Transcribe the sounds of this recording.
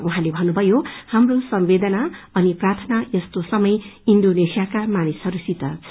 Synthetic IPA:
uɦãlebʱʌnːubʱʌjohamrosʌmbed̪ʌnaʌniprat̪ʰʌnajʌst̪osʌmʌjinɖonesijakamanisɦʌɾusit̪ʌ

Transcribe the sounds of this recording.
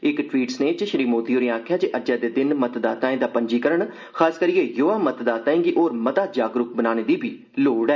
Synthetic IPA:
ɪkʈwiːʈsneːt͡ʃɪʃɾiːmoːt̪iːoːɾĩãaːkʰjaːd͡ʒeʔəd͡ʒɛːd̪eːd̪ɪnmət̪d̪aːt̪ãːẽːd̪aːpəɲd͡ʒiːkəɾəɳ | kʰxʰaːskəɾiːeːjoːaːmət̪d̪aːt̪aːẽːkiʔoːɾmət̪aːd͡ʒaːɡɾʊkbənaːñeːd̪iːbʱiː | loːɖɛː

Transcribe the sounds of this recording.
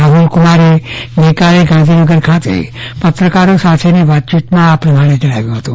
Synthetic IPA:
aɦulkumaɾenekaleɡãnd̪ʱinəɡəɾkʰat̪ḛpət̪ɾəkaɾosat̪ʰeniʋat̪̚t͡ʃit̪mãapɾəmaɽ̃ed͡ʒəɽ̃aʋjũɦət̪ũ

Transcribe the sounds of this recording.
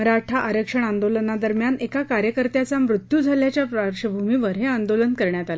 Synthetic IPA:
əɾaʈʰaʔaɾjəkʂəɳ̃and̪olənad̪əɾmjanekakaɾjəkəɾt̪jat͡samɾut̪juːd͡zʱaljat͡ɕjapɾəɾɕəbʱumiʋəɾɦeand̪olənkəɾɳjat̪ala

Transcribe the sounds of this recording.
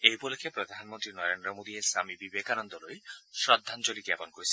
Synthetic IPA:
ejpolekʰːepɾod̪ʱanmont̪ɾinɔɾend̪ɾɔmod̪iesamibibekanɔnd̪ɔlojʃɾɔd̪ʱːant͡ɕoliɡɛponkoɾisʰi

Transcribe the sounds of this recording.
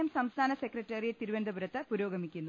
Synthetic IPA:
ɐmsɐmst̪ʰaːnɐsekrɐtːeːɾijet̪iɾuʋɐnd̪ʱɐbuɾɐt̪ːɨpuɾoːɡɐmikʲːunːu

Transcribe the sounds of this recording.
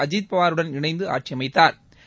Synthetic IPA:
ɐd͡ʒiːd̪̚pɐʋaːɾɯɽɐnɪɳɐɪnd̪ɯa̰ːʈ̚t͡ʃijɐmɐɪt̪ːaːɾ

